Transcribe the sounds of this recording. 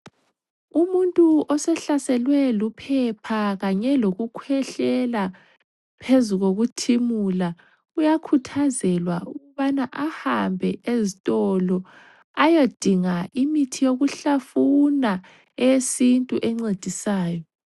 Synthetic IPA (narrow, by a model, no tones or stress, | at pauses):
umuntʼuɔsɛɬasɛlwɛlupʰɛpʰaɣaɲɛloɣukʰwɛɬɛla | pʰezuɣoɣutʰimula | ujakʰutʰazɛlwauɣuβanaʔahambʱɛezitʼɔlɔ | ajod̥ʱiŋaʔimitʰijoɣuɬafuna | esintʼuʔɛŋ͡ǀed̥ʱisaːjɔ